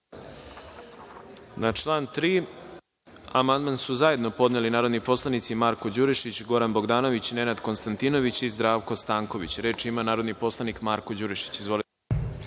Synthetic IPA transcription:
nat͡ʃlˠaːnt̪ɾiː | amand̪mansuzaje̞d̪no̞po̞d̪nelinaːɾo̞d̪nipo̞slˠanit̪simaːɾko̞d͡ʑuɾiʃit͡ɕɡo̞ɾanboɡd̪aːno̞ʋit͡ɕne̞nad̪ko̞nst̪ant̪ino̞ʋit͡ɕizd̪ɾaːʋko̞st̪aːŋko̞ʋit͡ɕɾe̞ːt͡ʃimanaːɾo̞d̪nipo̞slˠanikmaːɾkod͡ʑuɾiʃi̥t͡ɕizʋo̞l

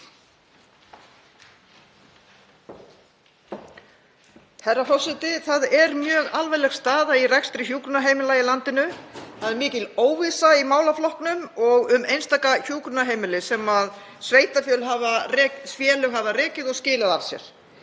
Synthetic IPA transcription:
hɛrːafɔsɛt̪ɪθaðɛɾmjœːɣalvɛjlɛxst̪aːðairɛkst̪ɾɪçuːkɾʏnaɦejmɪlaːjɪlant̪ɪnʏθaðɛɾmɪːcɪloːwvisaimaːwlaflɔhknʏmɔɣʏmejnst̪aːkaçuːkɾʏnaɦeːjmɪlɪsɛmað | sveːjt̪afjœlɦaːvarɛːsfjɛːlʏɣɦavarɛːcɪðɔɣscɪːlɪðavsjɛ̰ɾ̥

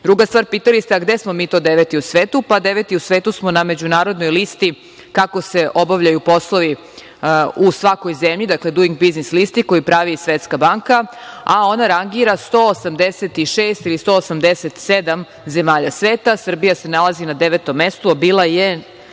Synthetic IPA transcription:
d̪ɾuɡast̪ʋaːɾpiːt̪alist̪eaɡd̪esmo̞miːt̪o̞ːd̪eʋet̪iusʋeːt̪upad̪eʋet̪iusʋeːt̪usmo̞named͡ʑunaːɾo̞d̪nojlist̪i | kako̞se̞ʔo̞baʋʎajupo̞slˠoʋi | usʋako̞jzemʎid̪akled̪uiŋɡbiznislist̪iko̞jipɾaʋisʋet̪skabaŋkaao̞naɾaŋɡiɾast̪o̞ːosamd̪eset̪iʃeːst̪ilist̪o̞ːsamd̪eset̪sed̪am | ze̞maːʎasʋeːt̪asr̩bijasenalˠazinad̪eʋet̪o̞mːest̪uabiːlˠaje

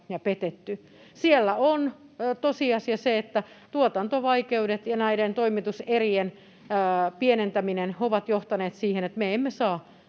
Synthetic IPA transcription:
jɑpet̪et̪ːy | sielːæont̪osiɑsiɑseet̪ːæ | t̪uot̪ɑnt̪oʋɑikeudet̪jɑnæident̪oimit̪userienː | pienent̪æminenoʋɑt̪joht̪ɑneːt̪siːhenet̪meemːesɑː

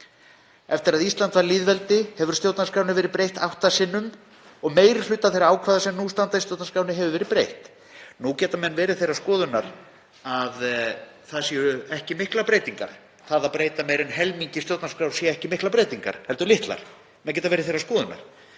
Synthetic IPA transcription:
ɛft̪ɪɾaðislant̪vaɾliːðvɛlt̪ɪhɛvʏɾst̪jowt̪naskɾaːwnɪvɛːɾɪpɾejht̪awht̪asɪnːʏm | ɔɣmeːjɾɪ̥lʏt̪ːaθejɾaaːwkʰvaːðasɛmnust̪ant̪aist̪jowt̪naskawnɪɦɛvʏvɛːɾɪpɾejht̪ | nucɛːt̪amɛnːvɛːɾɪθejrːaskɔːðʏnaɾ | aðθaðsjɛʏɛhcɪmɪhklapɾeːjt̪iŋka̰ɾ̥ | θaðaðpɾeːjt̪amɛjɾɪnɦɛlmiɲcɪst̪jowt̪naskɾawsjɛɛhcɪmɪhklapɾeːjt̪iŋka̰ɾ̥hɛlt̪ʏɾlɪht̪la̰ɾ̥ | mɛðcɛːt̪avɛɾɪθejraskɔːðʏna̰ɾ̥

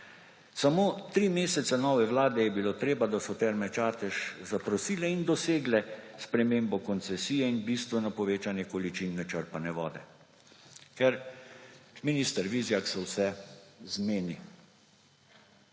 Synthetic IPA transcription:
samoːt̪ɾimeːsɛt̪sanɔːʋɛʋlaːd̪ɛjɛbiloːt̪ɾeːbad̪asɔt̪ɛɾmɛt͡ʃaːt̪ɛʃzapɾɔsiːlɛind̪ɔseːɡlɛspɾɛmeːmbɔkɔnt̪sɛsiːjɛinbist̪ʋɛnɔpɔʋeːt͡ʃanjɛkɔlit͡ʃinːɛt͡ʃəɾpanɛʋɔ̰ːd̪ɛ | kɛɾ | minist̪əɾʋizjaksɔwsɛzmeːni

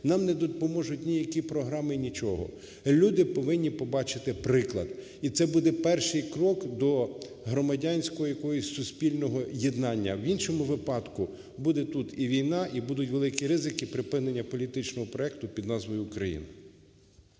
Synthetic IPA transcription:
nɑmnɛd̪ɔd̪pɔmɔʒʊtʲnʲijɐkʲipɾɔɦɾɑmɪnʲit͡ʃɔɦɔ̰ | lʲud̪ɪpɔʋɪnʲːipɔbɑt͡ʃɪt̪ɪpɾɪklˠɐd̪ | it̪sɛbud̪ɛpɛrʃɪjkɾɔkd̪ɔ | ɦɾɔmɐdʲanʲsʲkɔɦɔjɐkɔjɔsʲsʊsʲpʲilʲnɔɦɔjed̪nɑnʲːɐwinʃɔmʊʋɪpɑd̪kʊ | bud̪ɛt̪ut̪iʋʲijnɑʔibud̪ʊtʲʋe̞lˠɪkʲiɾɪzɪkipɾɪpɪnenʲːɐpɔlʲit̪ɪt͡ʃnɔɦɔpɾɔɛk̚t̪ʊpʲid̪nɑzʋɔjʊkɾɐjḭnɪ

